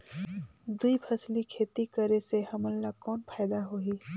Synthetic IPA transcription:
d̪uipʰəslikʰeːt̪ikəɾeseɦɐməlːakɔːnpʰaːɪd̪aɦoːiː

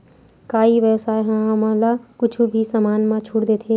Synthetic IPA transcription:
kaːiʋjəwsaːeɦãɦɐmãlakʊt͡ʃʰubʱisamaːnmãt͡ʃʰuɽd̪eːt̪ʰeː

